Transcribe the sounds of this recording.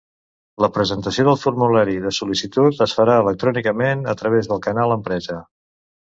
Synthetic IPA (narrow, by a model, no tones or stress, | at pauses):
ləpɾəzənt̪əsioðəlˠfurmulaɾiðəsulisit̪ut̪əsfəɾaələk̚t̪ɾɔnikəmenət̪ɾəβ̞ezðəlˠkənalˠəmpɾɛzə